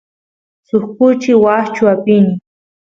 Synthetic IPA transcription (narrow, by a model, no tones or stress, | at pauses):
sʊxkʊt͡ʃɪwaht͡ʃʊapɪnɪ